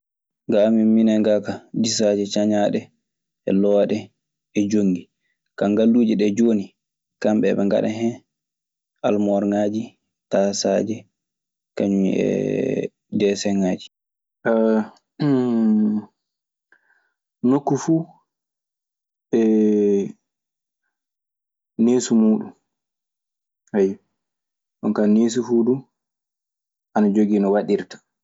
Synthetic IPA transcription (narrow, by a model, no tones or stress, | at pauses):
ŋɡaːmiminaŋɡakadis̬ad͡ʒɛt͡ʃaɲaːɗɛ | ɛ̰lɔwaɗɛ | ɛd͡ʒoŋɡi | kaŋɡalːuːd͡ʒiɗɛd͡ʒoːni | kambɛ̰ɓɛŋɡa̰ɗɛ̰ɦɛ | almɔɾŋaːd͡ʒi | tasa̰d͡ʒɛ | kaɲumḭɛ̰ | dɛsɛŋaːd͡ʒi̥ | ʔ | nokːufuː | ɛ | neːsumuːɗṵm | haj | ɗɔnkaneːs̬ufuːdu | ʔanad͡ʒoɡiːnɔwaɗiɾtḁ